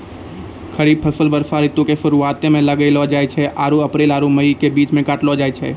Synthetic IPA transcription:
kʰəɾiːb̚pʰəsəlbəɾsaːɾɪt̪õkeʃʊɾuaːt̪ẽmẽləɡəelɔd͡ʒaːjt͡ʃʰɛʔaːɾuɐpɾeːlaːɾuməikebiːt͡ʃmẽkaːʈlɔːd͡ʒaːjt͡ʃʰɛ̰

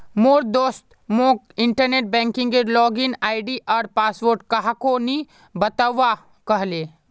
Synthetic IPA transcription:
moːɾd̪oːst̪ | mõːk | ɪ̃ɳʈəɾneːʈ̚bɛ̃ːŋkɪ̃ŋɡeɾlɔːɡɪnaːɪɖiʔɔːɾpaːsʋoːɾʈkɐɦakoni | bɐt̪aʋa | kɐɦleː

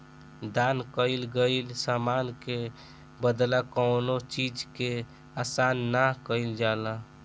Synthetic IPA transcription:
d̪ankəɪlɡəɪlsamanke | bəd̪lakəʊnot͡ʃid͡ʒke | asanːakəɪld͡ʒala

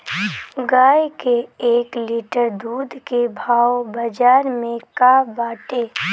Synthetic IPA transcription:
ɡaːjkeeːkliːʈəɾd̪uːd̪ʱkebʱaːobɐd͡ʒaːɾmẽkabaːʈeː

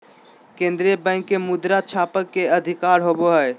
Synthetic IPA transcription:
kẽːnd̪ɾiəbɛ̃ːŋkːemʊd̪ɾat͡ʃʰaːpəkːeəd̪ʱɪkaːɾɦoboɦɛe

